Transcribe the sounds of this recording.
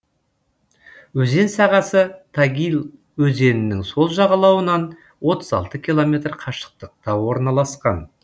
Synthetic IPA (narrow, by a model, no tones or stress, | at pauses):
wɵze̞nsɑʁɑsət̪ʰɑɡʲilˠ | wɵze̞nɪnɪŋso̞lˠʒɑʁɑlˠɑwənɑn | wo̞t̪əzɑ̰lˠt̪əkʲʰilˠo̞mʲe̞t̪rqʰɑʃə̥q̚t̪əq̚t̪ɑwo̞ɾnɑlˠɑsqɑn